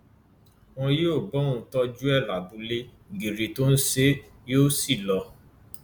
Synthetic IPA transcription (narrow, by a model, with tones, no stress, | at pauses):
w̃ɔ̃˧je˦˨bɔ˦õ˦˨˦tɔ˦d͡ʒu˦ɛ˦˨la˨bũ˨˦le˦˨ | ɡe˨ɾe˨to˦n̩˦se˦ | jo˦si˦˨lɔ˧